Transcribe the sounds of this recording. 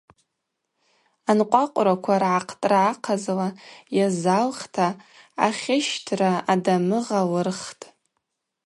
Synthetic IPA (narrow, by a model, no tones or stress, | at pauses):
anqʷʼaqʷʼɾakʷʰarʕaqʰtʼraːqʰazlajazalχtʰa | a̰χʲɪʃtʰraadamɨʁalɨrχtʼ